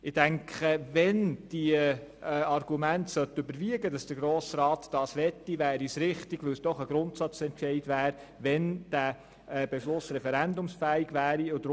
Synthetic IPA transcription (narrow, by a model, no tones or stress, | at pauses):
ɪd̥æŋkʰχəvɛnd̥i | ɑrɡ̥umæntsœt̪ɵbəɾʋiəɡədɑsd̥əɡɾoːsrɑːt̪d̥ɑːsʋɛt̪ːiʋæːɾisɾɪχtiɡʋɪwsd̥ɔχəɡɾʊnt̪sɑt͡sɛntʃɛɪd̥ʋæːɾ | ʋɛnd̥æ | b̥ɛʃlʊsɾɛfɛɾændʊmsfæːiɡʋæːɾiod